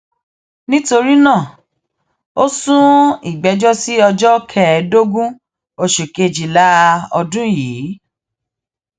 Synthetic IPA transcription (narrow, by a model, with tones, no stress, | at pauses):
nĩ˦to˧ɾi˦nãː˦˨ | o˦sũ˦i˨ɡ͡bɛ˨˧d͡ʒɔ˦si˦ɔ˧d͡ʒɔ˦kʰɛ˦˨do˦ɡũ˦ | o˨ʃe˨ke˨˧d͡ʒi˨la˦ɔ˧dũ˦jiː˨˦